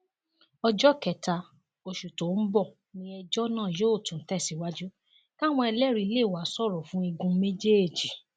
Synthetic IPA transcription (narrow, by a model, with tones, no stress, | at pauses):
ɔ˧d͡ʒɔ˦kɛ˨ta˧ | o˨ʃu˨to˨˦bɔ˦˨ | nĩ˧ɛ˧d͡ʒɔ˦nãː˦˨jo˦o˦˨tũ˨˦tɛ˦˨si˨˦wa˦d͡ʒu˦ | ka˦˨w̃ɔ̃˧ɛ˧lɛ˦˨ɾi˧˦le˦˨wa˨˦sɔ˦˨ɾɔ˨fũ˦i˧ɡũ˧me˦d͡ʒe˦e˦˨d͡ʒi˨˦